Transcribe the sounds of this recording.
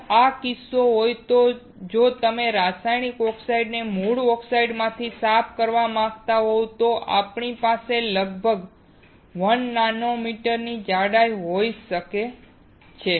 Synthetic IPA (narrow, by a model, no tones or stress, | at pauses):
akɪsːoɦojt̪o | d͡ʒot̪əmeɾasajnikɔksaiɖnemuɽɔksaiɖmãt̪ʰisapʰkəɾʋamãɡt̪aɦowt̪oʔa̰pɳipaseləɡbʱəɡ | ʋənːanomiʈəɾnid͡ʒaɽajɦojʃəke | t͡ʃʰe